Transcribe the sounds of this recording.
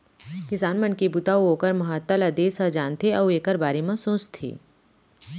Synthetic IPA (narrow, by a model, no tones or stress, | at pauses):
kɪsaːnmənkibut̪auɦoːkəɾmɐɦaːt̪ːəlɐd̪eːsɐd͡ʒaːnt̪ʰeɐueːkəɾbaːɾemãsõːt͡ʃt̪ʰḭː